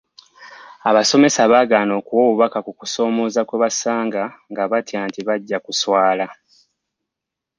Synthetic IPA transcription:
aβaso̞me̞saβaːɡaːno̞ːkuwo̞ːβuβakakuku̥so̞ːmo̞ːzakweβasaːŋɡaŋɡaβatjaːntiβaɟːakuswaːla

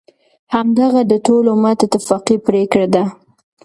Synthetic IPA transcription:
hamd̪aɣad̪əʈolomat̪at̪afɑqipɾekɽad̪a

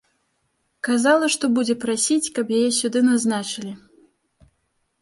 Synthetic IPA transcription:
kazalˠɐʂt̪ɔbud͡zʲɛpɾasʲit͡sʲkɐpjajɛsʲud̪ɨnaznat͡ʂɨlʲi

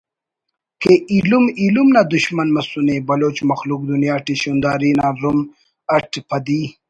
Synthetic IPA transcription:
keʔilumilumnad̪ʊʃmanmasunebɐloːt͡ʃmɐxluk̚d̪unjaːʈiʃund̪aːɾinaɾum | ɐʈpɐd̪i

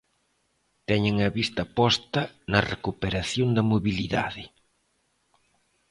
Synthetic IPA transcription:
t̪ɛɲeŋɐβist̪ɐpɔst̪ɐnɐrekupeɾaθjond̪ɐmoβiliða̰ðɪ

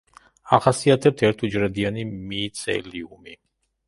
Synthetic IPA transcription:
aχasiat̪ʰɛp̚t̪ʰɛɾt̪ʰud͡ʒɾɛd̪ianimit̪sʰɛ̰liumi

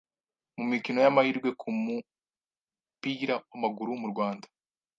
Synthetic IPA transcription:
mumikino̞jamahiːɾɡwe̞kʰumu | piːɾawamaɡuɾumuɾɡwaːndḁ

